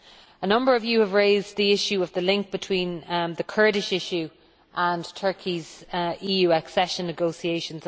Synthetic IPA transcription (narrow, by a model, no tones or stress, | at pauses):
ənʌ̃mbə˞əvjɨəvɹeɪzðiɪʃʉəvðəlɪ̃ŋk̚b̥ɪtʰw̥ĩːnðəkʰɜ˞ɾɪʃɪʃʉ | ʔə̃ntʰɜ˞kʰiziːjʉːəksɛʃə̃nːəɡoʊsieɪʃə̃nz